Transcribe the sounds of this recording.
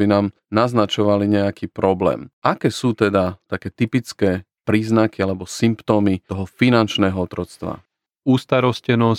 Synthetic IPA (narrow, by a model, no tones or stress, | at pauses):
binaːm | naznat͡ʃɔʋaliɲɛakʰiːpɾɔblɛ̰ːmʔakɛːsuːt̪ɛd̪at̪akɛːt̪ipit͡skɛː | pɾiːznakialɛbɔsimpt̪ɔːmit̪ɔɦɔfinant͡ʃnɛːɦɔɔt̪ɾɔt͡st̪ʋa̰ | uːst̪aɾɔscɛnɔs